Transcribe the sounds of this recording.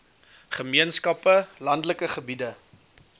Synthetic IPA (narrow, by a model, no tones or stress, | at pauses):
χəmiənskɐpəlɐndləkəχəbidə